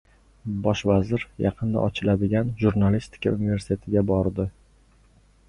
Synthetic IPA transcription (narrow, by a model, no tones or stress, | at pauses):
bɒʃvazɪɾjɑqʰɨnd̪a̰ʔɒt͡ʃʰɪlad̪ɪɡʲanʒuɾnalist̪ʰɪ̥kʲʰa̰unɪve̞ɾsɪ̥t̪ʰe̞t̪ʰɪɡʲabɒɾd̪ɪ